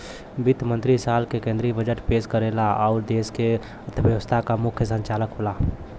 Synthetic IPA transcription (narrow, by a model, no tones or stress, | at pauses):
bit̪mə̃nt̪ɾisaːlkekẽnd̪ɾibəd͡ʒəʈpeːskəɾelaɔːɾd̪eːske | t̪ʰəbjəʋəst̪ʰakamʊkʰjəsə̃ɲt͡ʃaːləkɦola